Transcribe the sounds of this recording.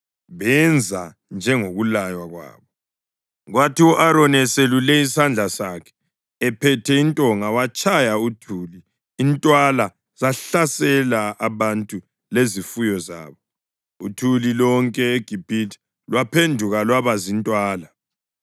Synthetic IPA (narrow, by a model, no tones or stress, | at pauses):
βɛnd͡zʱa | nd͡ʒʱɛŋoɣulajwaɣwa̰ːβɔ | ɣwatʰiuʔaɾɔnɛselulɛisand͡ɮʱasakʰɛ̥ː | pʰɛtʰɛintʼɔŋawat͡ʃʰʼajautʰuːliː | ntʼwala | z̥aɬasɛlaːβantʼu | lezifujɔza̰ːβɔ | ṵtʰulilɔŋkʼɛeɡ̥ʱib̥ʱitʰʼ | lwapʰendʱuɣalwaβazintʼwaːla